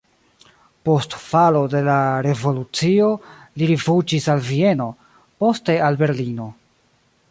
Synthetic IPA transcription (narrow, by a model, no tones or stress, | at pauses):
po̞stfalo̞de̞laɾe̞vo̞lut͡sio̞ | liɾivud͡ʒisalvie̞no̞ | po̞ste̞albe̞ɾlino̞